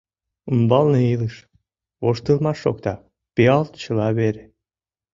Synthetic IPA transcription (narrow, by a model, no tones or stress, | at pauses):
umbɑlˠneilɨʃ | oʃt̪ɯlˠmɑʃːo̰kt̪ɑ | peɑlˠt̪t͡ɕəlˠɑβeɾe